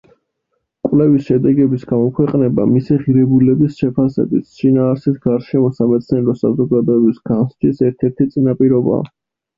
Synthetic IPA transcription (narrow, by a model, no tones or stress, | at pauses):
kʼwlɛvisʃɛd̪ɛɡɛbisɡamɔkʰwɛqʼnɛba̰misiʁiɾɛbulɛbisʃɛpʰasɛ̰bit̪ʃinaːɾsit̪ʰɡ̥aɾʃɛmɔsamɛt̪sʰnɛɾɔsazɔɡad̪ɔɛbisɡ̥anst͡ʃ̪ʰisɛɾt̪ʰɛɾt̪ʰit̪sʼinapʼiɾɔba̰ː